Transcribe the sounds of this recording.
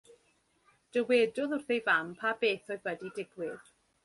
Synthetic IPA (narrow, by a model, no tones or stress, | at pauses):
d̥əweːdʊðʊrθejvampʰabeːθɔɨðwədidɪɡwɪð